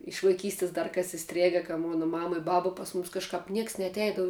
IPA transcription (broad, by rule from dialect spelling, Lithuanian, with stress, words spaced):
ɪʃ ʋɐɪˈkʲiːsʲtʲɪs ˈdɐr ˈkɐs ɪˈsʲtʲrʲeːɡɐ kɐ ˈmoːnɐ ˈmɑːmɐ ɪ ˈbɑːbɐ ˈpɐs mʊmʲɪs kɐʃˈkɐp ˈnʲiɛks nʲɛɐtʲˈɛɪdɐʋʊ